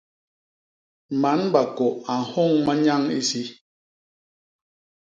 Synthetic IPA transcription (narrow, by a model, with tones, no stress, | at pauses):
ma˨˦nba˨ko˨a˨hɔ˦˨ŋma˦ɲa˦ŋḭ˦si˦